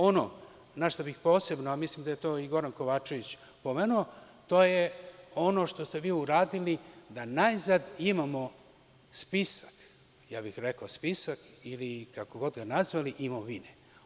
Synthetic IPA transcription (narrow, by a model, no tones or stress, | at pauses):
o̞no̰ | naʃt̪obixpo̞ːse̞bnoamislimd̪ajet̪o̞ːiɡo̞ɾanko̞ʋaːt͡ʃe̞ʋit͡ɕ | po̞me̞ːnuo | t̪o̞ːjeo̞no̞ʂt̪o̞st̪e̞ʋiːuɾaːd̪ilid̪anajzad̪imamo̞ | spisḁk | jaːbixɾekaospisakilikakoɡo̞d̪ɡanazʋaliʔimoʋine